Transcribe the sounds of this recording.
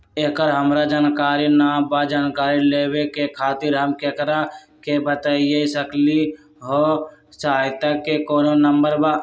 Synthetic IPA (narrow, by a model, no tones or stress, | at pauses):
eːkəɾɦəmɾad͡ʒaːnkaːɾinaːbad͡ʒaːnkaːɾileːwekekʰaːt̪ɪɾɦəmkeːkəɾa | kebət̪aijesəkli | ɦoːsəɦaːjt̪akekoːnonəmbəɾba